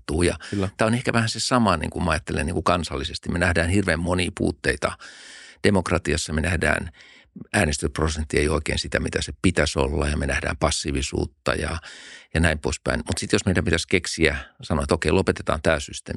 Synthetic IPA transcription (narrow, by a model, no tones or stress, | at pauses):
t̪uːjɑ̰t̪æːonehkæʋæhænsesɑmɑnḭːŋkumɑɑjɑt̪ːelḛniŋkukɑnsɑlːisest̪immenæhdæːnhirʋeːmmoniːpṵːt̪ːeit̪ɑd̥emokrɑt̪iɑsːɑmenæhdæ̰ːn | æːnest̪ysprosent̪ːieioikḛːnsit̪æmit̪æsepit̪æso̰lːɑjɑmenæhdæ̰ːmpɑsːiʋisṵːt̪ːɑ̰jɑ̰jɑnæimpo̰ispæ̰inmut̪sit̪josmeit̪æpit̪æskeksiæsɑnoet̪okeilopet̪e̥t̪ɑ̰ːnt̪æːsyst̪ḛːm